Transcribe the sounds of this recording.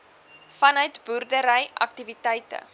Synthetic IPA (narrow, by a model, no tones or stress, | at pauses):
fɐnœɥtburdəɾəjʔɐ̰k̚tivitɛjtə̰